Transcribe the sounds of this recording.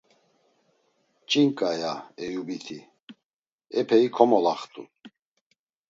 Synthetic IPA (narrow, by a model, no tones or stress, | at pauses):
t͡ʃʼiŋkʼajaɛjubit̪ʰi | ɛpʰɛikʰɔmɔlaχt̪ʼṵ